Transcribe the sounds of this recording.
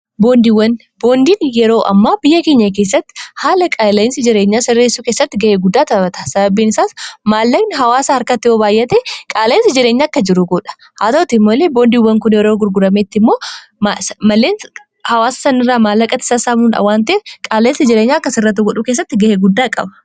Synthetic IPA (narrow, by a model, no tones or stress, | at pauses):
boːnd̪iwɐn | bo̞ːnd̪iːnjɛɾo̞ːʔɐ̰mːaːbɪjːɐkeːɲːɐk̬eːs̬ːɐt̪ːɪ̥haːlɐkʼaːlɐɪnsɪd͡ʒɪɾeːɲːaːsɪrːeːsːuːkeːsːɐt̪ːɪɡɐʔeːɡʊd̪ːaːt̪ɐbɐt̪ɐ̥sɐbɐbːiːnɪsaːsmaːlːɐknɪɦɐwaːsɐɐɾkɐt̪ːɪjoːbaːjːɛt̪ekʼaːlɪnsɪd͡ʒɪɾeːɲːaːɐkːɐd͡ʒɪɾʊɡɔᶑɐ̥ | haːt̪ɐʊt̪ɪmːoːleːbo̞ːnd̪iːwːɐŋkʊnjɛɾoːɡʊɾɡʊɾɐmeːt̪ːɪmːo̞ːmasmɐlːeːn | hɐwaːsɐ̥sɐnɪrːaːmaːlːɐkʼɐt̪ɪ̥saːsaːmuːnɐ̰waːnt̪eːkʼaːleɪnsɪd͡ʒɪɾeːɲːaːɐkːɐsɪrːɐt̪ːʊɡɔᶑukeːs̬ːɐt̪ːɪɡɐheːɡʊd̪ːaːkʼɐ̰bɐ̥